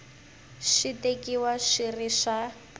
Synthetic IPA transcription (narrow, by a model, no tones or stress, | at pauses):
ʃitekiwaʃiriʃa